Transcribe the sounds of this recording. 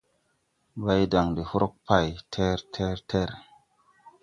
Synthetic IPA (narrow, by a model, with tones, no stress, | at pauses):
va˦jda˨ŋdi˨hu˦ɾo˦k̚pa˨jtʰe˦ɾtʰe˦ɾtʰe˦ɾ